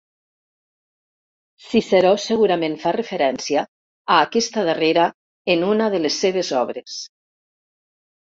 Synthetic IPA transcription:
siseɾɔseɣuɾamẽnfarəfeɾɛnsia | aːkɛst̪aðareɾa | enunaðəlesːeβ̞ezɔβ̞ɾes

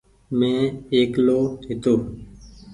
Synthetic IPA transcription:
mɛ̃ːeːkloːeːt̪oː

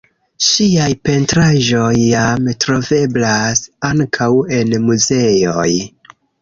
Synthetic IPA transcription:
ʃiajpe̞ntɾaʒo̞jːamtɾo̞ve̞blasaŋkʰawe̞nmuze̞joj

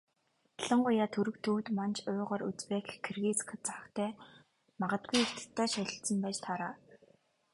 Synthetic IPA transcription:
ɮə̆ɴɢʊjaːt̪ʰɵɾɵ̆kt̪ʰuːwt̪mant͡ɕʰʊːʁɔːɾut͡speːkkʰːerɣit͡sk̆ʰt͡sar̆kt̪ʰæː | maʁə̆t̪̚ɡujir̥t̪ɘ̥̆t̪ʰːæːʃaɮʲɪ̆ɬt͡sə̆mpæːt͡ɕt̪ʰaɾaː

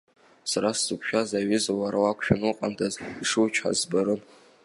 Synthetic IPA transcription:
saɾaszɨpʷʰʃᶣazaɥɪzawaɾawakʷʰʃᶣanuqʼantʰʼaziʂɨt͡ʃʰħa̰zbaɾɨn

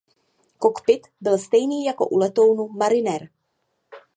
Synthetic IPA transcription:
kokpɪt̪bɪlst̪ɛjniːjakoʔulɛt̪o̞wnumaɾɪnɛɾ

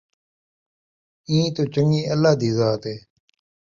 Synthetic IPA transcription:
ĩːt̪oːt͡ʃəŋiːəlːaːd̪iːzaːt̪eː

